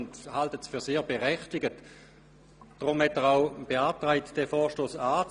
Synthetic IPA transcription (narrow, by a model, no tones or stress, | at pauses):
nthaltətsfyːɐseːɐbeʁɛχtɪɡət | d̥ʁʊmhɛtəʁaʊb̥eaːtʁaɪtd̥ɛfɔːʃtoːsaːt͡s